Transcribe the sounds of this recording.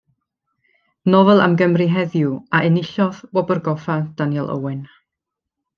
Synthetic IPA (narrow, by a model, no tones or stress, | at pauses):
nɔvɛlˠa̰mɡəmrɪɦɛðjuaʔɪnɪɬɔðbɔbərɡɔfad̥anjɛlˠʔə̰wɪn